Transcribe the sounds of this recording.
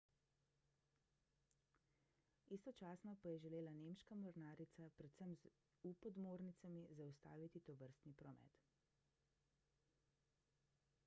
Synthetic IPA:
ist̪ɔt͡ʃaːsnɔpajɛʒɛleːlanemʃkamɔɾnaːɾit̪sapɾɛt̪səmz | upɔd̪moːɾnit̪samizaust̪a̰ːʋit̪it̪ɔʋəɾst̪nipɾɔmɛ̰ːt̪

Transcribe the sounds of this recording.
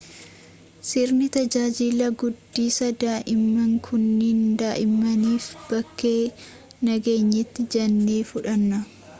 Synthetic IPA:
sɪɾnɪt̪ɐd͡ʒaːd͡ʒilɐɡʊd̪ːiːsɐd̪aːʔɪmːɐŋkʰʊnːiːnd̪aːʔɪmːɐniːfb̥ɐkːe̞ː | nɐɡe̞ːɲːɪt̪ːɪd͡ʒɐnːe̞ːfʊᶑɐnːɐ

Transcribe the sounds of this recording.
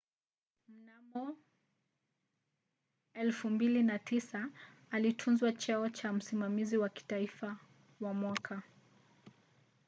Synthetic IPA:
m̩namɔ | ɛlfumbilinatisaːlitʰunzwat͡ʃɛɔt͡ʃam̩simamiziwaki̥taifa | wamwakʰa

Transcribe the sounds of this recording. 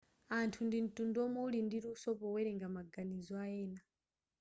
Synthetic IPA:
antʰundin̩tundɔmɔulindiɾuusɔpɔwɛɾɛŋɡamaɡanizɔajɛːna

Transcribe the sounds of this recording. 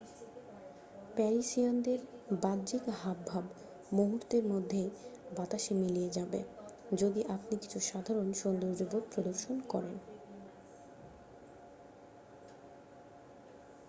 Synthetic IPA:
pɛɾiʃiand̪eɾbad̪d͡ʑikɦabʱːab | moɦuɾt̪eɾmod̪ʱːejbat̪aʃemilijed͡ʑabḛd͡ʑod̪iʔapnikit͡ɕʰuʃad̪ʱaɾonʃond̪oɾd͡ʑobot̪̚pɾod̪oɾʃonkɔɾen

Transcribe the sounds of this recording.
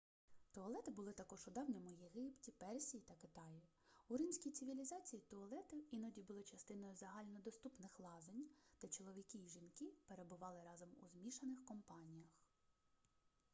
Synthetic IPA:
t̪ɔːlˠɛt̪ɪbʊlˠɪt̪ɐkɔʒʊd̪ɑwnʲɔmʊjeɦɪptʲipɛrsʲijit̪ɐkɪt̪ɑji | ʊɾɪmʲsʲkʲijt̪sɪʋʲilʲizɑt͡sʲijit̪ɔɐlˠɛt̪ɪinɔdʲibʊlˠɪt͡ʃɐst̪ɪnɔjʊzɐɦɑlʲnɔd̪ɔst̪upnɪxlˠɑzenʲd̪̥ɛt͡ʃɔlˠɔʋʲikʲiːʒinkɪpe̞ɾebʊʋɑlˠɪɾɑzɔmṵzmʲiʃɐnɪxkɔmpɑnʲijɐx

